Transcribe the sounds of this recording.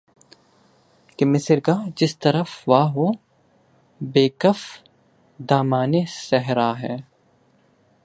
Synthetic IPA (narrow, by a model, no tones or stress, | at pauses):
kɪmɪsɪɾɡaːd͡ʒɪst̪ɐɾəfʋaːɦoː | beːkəf | d̪aːmaːnesɛɦɾaːɦɛː